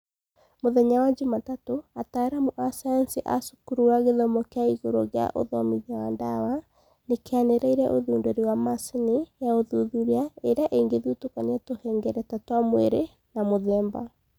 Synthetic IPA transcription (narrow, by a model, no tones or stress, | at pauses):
moðɛɲawaɲd͡ʒematatoataɾamoʔasaansiʔa̰su̥kuɾuaɣeðɔmɔkeaiɣoɾo̰ɣea̰ʔo̰ðɔmiɣawandawa | nekeaneɾaiɾɛʔoðuːndoɾiwamasenejaoðuðuɾiaeɾeaʔeŋɡeðutokaneatohɛŋɡɛɾɛtatwamweɾe | namoðɛːmba